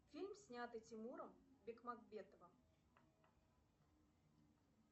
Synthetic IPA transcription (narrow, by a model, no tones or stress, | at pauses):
fʲilʲmsʲnʲat̪ɨtʲɪmuɾəmbʲekmaɡbʲet̪əvəm